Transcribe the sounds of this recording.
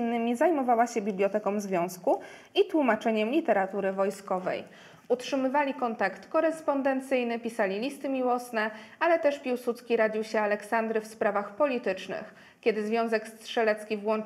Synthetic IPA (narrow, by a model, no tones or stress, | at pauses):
nːɘmʲizajmɔvawaɕɛbʲiblʲɔt̪ɛkɔ̃wmzvʲjɔ̃w̃sku | it̪wumat͡ʂɛɲɛmlʲit̪ɛɾat̪uɾɘvɔjskɔvɛ̰j | utʂɘmɘvalʲikɔnt̪akt̪kɔɾɛspɔnd̪ɛnt̪sɘjnɘpʲisalʲilʲist̪ɘmʲiwɔsnɛalɛt̪ɛʂpʲiwsut̪skʲiɾad͡ʑiwɕɛalɛksand̪ɾɘfspɾavaxpɔlʲit̪ɘt͡ʂnɘ̰x | kʲɛd̪ɘzvʲjɔ̃w̃zɛkst̪ʂɛlɛt̪skʲivwɔn